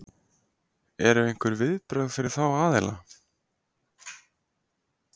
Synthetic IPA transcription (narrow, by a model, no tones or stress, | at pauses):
ɛɾʏejŋ̥kʏɾvɪðpɾœɥðfɪɾɪɾ̥θawaːðɛla̰